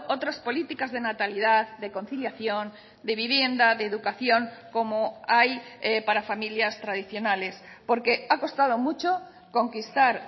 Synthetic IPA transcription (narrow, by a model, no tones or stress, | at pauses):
ot̪ɾaspo̞lit̪ikazðe̞nat̪alið̞aððeko̞nθiljaθjo̞n | d̪e̞β̞iβ̞je̞nd̪aðe̞ːðukaθjo̞ŋko̞moajepaɾafamiljast̪ɾað̞iθjo̞nale̞spo̞ɾke̞ako̞st̪að̞omut͡ʃo | ko̞ŋkist̪aɾ